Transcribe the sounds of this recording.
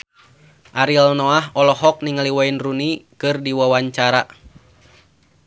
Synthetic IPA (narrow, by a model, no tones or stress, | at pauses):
ʔaɾilnɔahɔlɔɦɔk̚niŋaliwainrunikɨrdiwawaɲt͡ʃaɾa